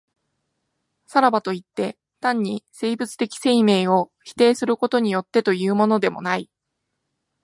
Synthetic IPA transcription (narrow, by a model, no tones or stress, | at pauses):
saɾabat̪o̞it̪ːe̞ | t̪ãɲ̟ːise̞ːbɯ̟t͡sɨ̥t̪e̞kʲi̥se̞ime̞ːo̞çi̥t̪e̞ːsɨɾɯko̞t̪o̞ɲ̟ijo̞t̪ːe̞t̪o̞jɯ̟ːmo̞no̞d̪e̞mo̞̰nai